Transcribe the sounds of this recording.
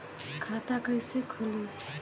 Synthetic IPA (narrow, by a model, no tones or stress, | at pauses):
kʰat̪akəjsekʰoli